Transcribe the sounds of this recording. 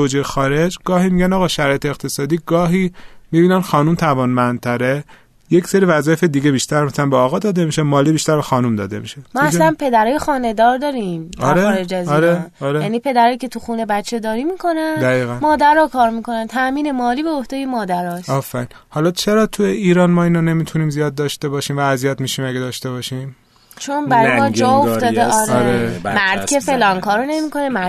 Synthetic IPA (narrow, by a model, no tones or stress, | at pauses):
od͡ʒejxɒːɾe̞d͡ʒɡɒːhiːmiɟænɒːɣɒːʃæɾɒːjet̪ʰeːqt̪ʰe̞sɒːd̪iːɡɒːɦiːmibiːnænxɒːnumt̪ʰævɒːnmænd̪̚t̪ʰæɾe | jecseɾivæzɒːjefed̪iɟebiːʃt̪æɾmæsælænbɒːɣɒːd̪ɒːd̪emiʃemɒːliːbiʃt̪æɾbɛxɒːnumd̪ɒ̰ːd̪ḛmḭʃemɒaslænpʰe̞d̪æɾɒːjexɒːne̞d̪ɒɾd̪ɒːɾimɒɾeɾed͡ʒæzɒɾeɒɾejænipʰe̞d̪æɾɒːjicʰe̞t̪ʰuxuːne̞bæt͡ʃʰːed̪ɒːɾimiːkʰo̞nænd̪æiːɣænmɒːd̪æɾɒːkʰɒːɾmikʰo̞nænt̪ʰæmiːne̞mɒːliːbeohd̪ejemɒːd̪æɾɒːsɒfæɾiːnhɒlɒt͡ʃʰeɾɒːt̪ʰujeiːɾɒːnmɒːiːnɒne̞miːt̪ʰuniːmzijɒːd̪̚ːɒʃt̪e̞bɒːʃiːmvæːzijæt̪miːʃiːmæɡæd̪ɒːʃt̪e̞βɒːʃim | t͡ʃʰo̞nbæɾjjmɒd͡ʒɒːofd̪ɒːeʔɒɾeɾemæɾd̪̥cʰefe̞lɒːnkʰɒːɾone̞miko̞nemæ